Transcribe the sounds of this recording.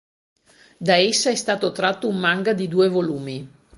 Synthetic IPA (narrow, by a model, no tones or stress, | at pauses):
d̪aesːaɛst̪aːt̪ot̪ɾat̪ːoumːaŋɡad̪id̪uːevoluːmi